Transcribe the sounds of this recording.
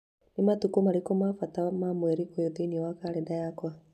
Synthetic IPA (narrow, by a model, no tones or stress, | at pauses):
nematukomaɾekomafatamamwɛɾikojoðeiniɛwakaɾɛdajakwa